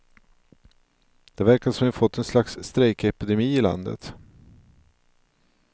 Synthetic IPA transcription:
d̪̥ɛvæɾkasɔmɛnfɔt̪ʰːɛnslaksːt̪ɾɛɪkɛpɪd̪ɛmiːɪla̰nd̪ə̰t̪

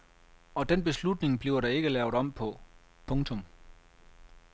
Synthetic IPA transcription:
ɒ̽d̥enb̥e̝slud̥ne̝ŋb̥liːʊɐɾ̥ɑ̈e̝ɡ̥əlɛːʊɾɒ̽m̰pʰɒ̽ | pʰɔ̽ŋt͡sʰɔ̽m

